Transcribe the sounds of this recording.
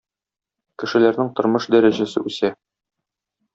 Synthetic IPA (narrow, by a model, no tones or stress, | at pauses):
kɘ̆ʃɘ̆læɾnɘŋt̪ŏɾmɤʃd̪æɾæʑæsɘʉsæ